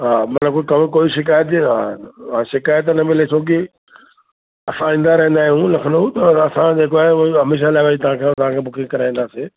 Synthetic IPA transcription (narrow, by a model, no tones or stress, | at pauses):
ɦaːmɐt̪ləb̚kokɐmkoːiʃɪk̬aːjət̪ɦaʃɪkaːjət̪̬nɐmɪlesʰoːkɪ | ɐsãĩːn̆d̪aɾɐɦə̃nd̪aːɦijũlɐkʰənd̪out̪ɐɐsãd͡ʑeːkoaːɦeɦɐmeːʃ̬alaːɪʋad͡ʑit̪ɐʋ̤ãkʰet̪ɐʋ̤ãkʰeːbʊkʰɪ̃ɡkɐɾãːn̆d̪aːseː